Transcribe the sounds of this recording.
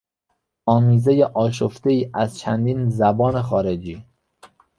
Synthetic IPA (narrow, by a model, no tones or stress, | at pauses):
ɒːmiːzejeʔɒːʃ̬oft̪e̞iːʔæzt͡ʃʰænd̪iːnzæbɒːnexɒːɾed͡ʒiː